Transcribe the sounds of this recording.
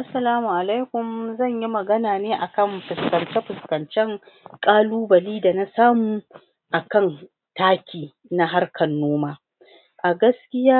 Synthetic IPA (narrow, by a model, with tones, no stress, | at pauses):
ʔa˦sːɐ˨laː˦mu˨ʔa˨la˦jkʷʊ˨mzɐ˦˨ɲji˦mɐ˨ɡɐ˦naː˨neː˦ʔa˨kɐ˦˨mɸɪ˨skɐ˨nt͡ʃɛ˦ɸɪ˨skɐ˨nt͡ʃɛ˦ŋ | kʼaː˦luː˦bɐ˨liː˦da˨na˦saː˦muː˨ | ʔa˨kɐ˦˨n | taː˦kʲiː˨ | na˦ɦa˦rkʰɐ˨nːoː˦maː˦ | ʔa˨ɡɐ˦skʲɪ˦jaː˦